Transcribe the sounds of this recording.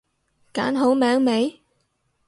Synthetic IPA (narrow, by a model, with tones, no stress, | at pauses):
kaː˨˥nɦo˨˧˥wmɛː˨˥ŋme˨˥j